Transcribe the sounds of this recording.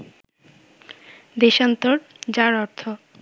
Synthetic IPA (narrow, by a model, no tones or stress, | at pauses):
d̪eʃant̪oɾd͡ʑaɾɔɾt̪ʰo